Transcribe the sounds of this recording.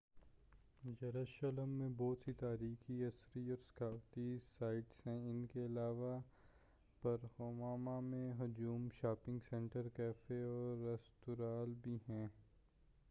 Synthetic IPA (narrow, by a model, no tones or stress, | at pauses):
d͡ʒɐɾəʃələmːẽbɔːt̪sit̪aːɾiːxiɐsɾiɔːɾsɐ̥kʰaːwt̪isaːɪʈsɦɛ̃ɪnkeɐlaːʋa | pɐɾhoːmaːmamẽɦʊd͡ʒuːmʃaːpɪ̃ŋɡsɛ̃ɳʈəɾkɛːfeɔːɾːɐst̪ʊɾaːlbʱiɦɛ̃ː